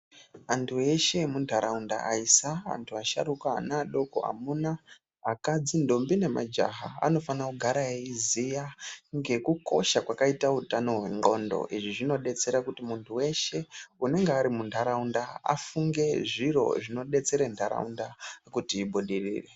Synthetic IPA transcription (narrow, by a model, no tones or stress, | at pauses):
antʰue̞ʃe̞mundʱaɾaunda̰ʔaisaa̰ntʰuaʃa̰ɾuka̰ːnaɗo̞ko̞̰a̰munaː | kad͡zindo̞mbine̞ma̰d͡ʒa̰ɦaa̰no̞fanakuɡʱaɾaeizijaŋɡe̞kuko̞̰ʃakwakaitautano̞ɦwe̞ŋɡo̞̰ndo̞̰ʔiʐiʐino̞ɗe̞t͡se̞ɾakutimuntʰuwe̞ʃe̞une̞ŋɡeaɾimundʰʱaɾaundaa̰fuŋɡe̞ʐiro̞̰ʐino̞ɗe̞t͡se̞ɾantʰaɾa̰undakutiːbʱuɗirḭːre